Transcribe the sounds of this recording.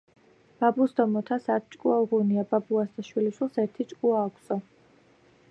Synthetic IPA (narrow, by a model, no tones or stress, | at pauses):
b̥abusd̪ɔmɔt̪ʰasat̪̚ʰt͡ʃʼkʼuaʁuniababuasd̪aʃwiliʃwilˠsɛɾt̪ʰit͡ʃʼkʼuaːkʷʰsɔ